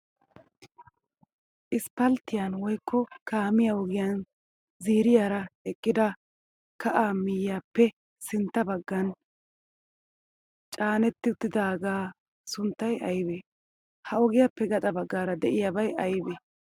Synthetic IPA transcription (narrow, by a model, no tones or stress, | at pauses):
ʔɪspɐlt̪ːɪjanwɔjkːɔkaːmɪjawɔɡɪjan | ziːɾɪjaːɾɐɛkʼːɪd̪ɐ | kɐʔaːmɪjːaːpːɛ | sɪnt̪ːɐbɐɡːɐn | t͡ʃʼaːnɛt̪ːɪt̪ːɪd̪aːɡaː | sʊnt̪ːɐjɐjbeː | hɐɔɡɪjaːpːɛɡɐt̪ʼɐbɐɡːaːɾɐd̪ɛʔɪjaːbɐjʔɐjbeː